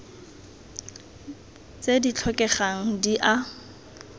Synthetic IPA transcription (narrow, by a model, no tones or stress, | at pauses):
t͡sedit͡ɬʰɔkʼɛχaŋ̩diʔa